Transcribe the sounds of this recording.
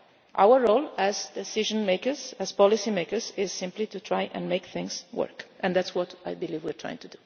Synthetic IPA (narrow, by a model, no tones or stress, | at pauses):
ʔa̰wəɹːolæzd̪ɛsɪʒɔ̃nmeɪkəzæz̥pɔlisimeɪkəɹzɪz̥sɪ̃mplit̪ut̪ʰɹajʔɛ̰̃nmeɪkθɪ̃ŋswə̰ɹkʔɛ̃nd̪ætswɔt̪ajbilivwiɹtʰɹa̰jɪ̰̃ŋt̪udu